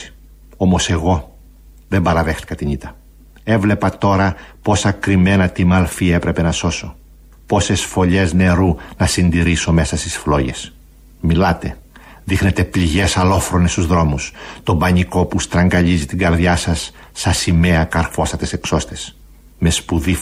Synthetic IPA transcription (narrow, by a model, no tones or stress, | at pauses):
o̞mo̞se̞ɣo̞ | ðe̞mbɐɾɐðe̞xt̪i̥kɐt̪iɲit̪ɐ | e̞vle̞pɐt̪o̞ɾɐpo̞sɐkɾime̞nɐt̪imɐlfie̞pɾe̞pe̞nɐso̞so | po̞se̞sfo̞ʎe̞zne̞ɾunɐsind̪iɾiso̞me̞sɐst̪isflo̞ʝe̞̰s | milɐt̪e̞ | ðixne̞t̪e̞pliʝe̞sɐlo̞fɾo̞nest̪uzðɾo̞must̪o̞bɐɲiko̞pust̪ɾɐŋɡɐʎizit̪iŋɡɐɾðʝɐsɐsː | ɐsime̞ɐkɐɾfo̞sɐt̪e̞se̞kso̞st̪e̞s | me̞spuði